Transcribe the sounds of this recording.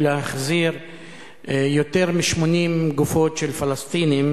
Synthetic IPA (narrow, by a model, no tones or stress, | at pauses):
leaχziʁ | jot̪eʁmiʃmo̞nimɡufo̞tʃelfalast̪inim